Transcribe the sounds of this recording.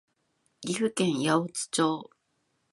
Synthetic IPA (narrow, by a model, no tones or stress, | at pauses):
iɸɯ̟kẽɰ̃jaot͡sɨ̥t͡ɕoː